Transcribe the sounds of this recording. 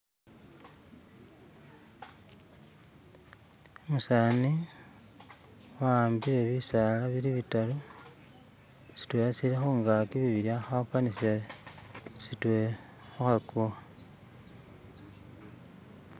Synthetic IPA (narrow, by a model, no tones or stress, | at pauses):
emusaːni | wambiɾeβisalaβiliβitalu | si̥twesilixoŋɡakiβiβiɾjaxapanisja | sitwe | xoxakua